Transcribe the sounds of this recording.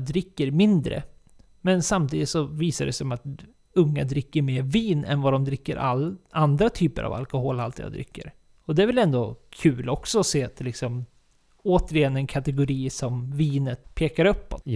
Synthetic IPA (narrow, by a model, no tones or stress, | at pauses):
d̪ɾɪkːəɾmɪnd̪ɾə̰ | mɛnsamt̪ʰiːd̪ɪt̪sɔviːsaɖɛsɛɔmat̪ | ɵŋːad̪ɾɪkːəɾmeːɾviːnɛ̰nvad̪ɔmd̪ɾɪkːəɾʔaland̪ɾat̪ʰyːpə̰ɾa̰va̰lkɔhoːlalt̪ja̰d̪ɾɪ̰kːə̰ɾ | ɔd̪ɛæɾvɪlɛnd̪okʰʉːlɔksɔɔseːat̪̚d̪ɛlɪksɔm | oːt̪əɾɪjɛnːɛnkʰat̪ɛɡʊɾiːsɔmviːnət̪pʰeːkaɾɵpːɔ̰t̪